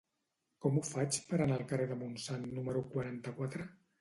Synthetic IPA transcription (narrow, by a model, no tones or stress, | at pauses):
kɔmufat͡ʃpəɾanaəlˠkəreðəmunsanːuməɾukwaɾant̪əkwat̪ɾə